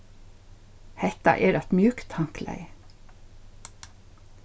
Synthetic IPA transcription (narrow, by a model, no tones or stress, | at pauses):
hɛt̪ɑ̰ʔeːd̪æt̪mjʉːkt̪ʰɑŋklæ̰ɪ